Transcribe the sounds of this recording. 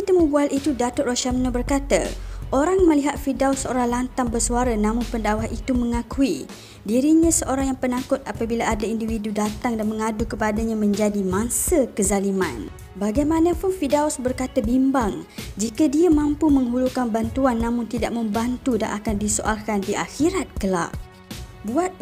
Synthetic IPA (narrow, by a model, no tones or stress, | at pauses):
it̪əmubualʔit̪udat̪ʊʔ̪̚roʃamnəbərkat̪a̰ʔoɾaŋmə̃liɦat̪̚fidausəoɾaŋlant̪aŋbərsuaɾanãmʊnpəndawahit̪umə̃ŋakui | diɾiɲãsəʔoɾaŋjaŋpənakʊt̪̚apabilaʔadaindividudat̪aŋdanmə̃ŋadukəpadaɲãmə̃ɲd͡ʒadimãnsəkəzalimã̰n | baɡajmanãpʊnfidausbərkat̪abimbaŋd͡ʒikadiamãmpumə̃ŋɦulukanbant̪uanːãmʊ̃nt̪idaʔ̚mə̃mbant̪uda̰ʔakandisoʔa̰lkandiʔaxiɾat̪̚kəla̰ʔ | buat̪̚